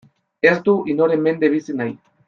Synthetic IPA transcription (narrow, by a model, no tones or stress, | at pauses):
e̞zd̪uʔinoɾe̞mːe̞nd̪eβ̞isinaj